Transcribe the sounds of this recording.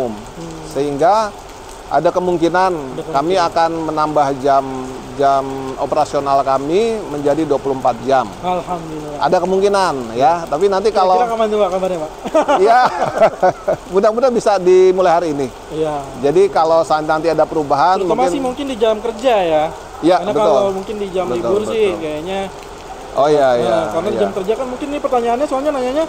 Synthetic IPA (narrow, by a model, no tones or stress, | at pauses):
m | səɦiŋɡa | a̰dakəmuŋkinankamiakanmənambahd͡ʒam | d͡ʒamopəɾasionalkamiməɲd͡ʒadiduapuluəmpat̪̚d͡ʒamalhamdulilʔa̰dakəmuŋkinanjat̪apinant̪ikaloakamaɲabakamarɲapaja | budaŋbudaŋbisadimulaɦaɾini | jad͡ʒadikalosant̪iant̪iadapəɾubaɦanmuoŋmaɪnimuŋkɪndid͡ʒamkərd͡ʒaja | janabəkt̪ʊlomuŋkɪndid͡ʒambəit̪ʊurəd͡ʒɪkajaɲa | ʔojajamajad͡ʒamkərd͡ʒakanmuŋkɪnipərt̪aɲaːnɲasoalɲanaɲaɲa